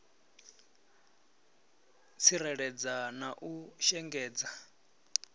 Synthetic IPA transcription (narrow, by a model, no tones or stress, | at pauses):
t͡sʰiɾɛɺɛd͡zanaʔuʃɛŋɡɛːd͡za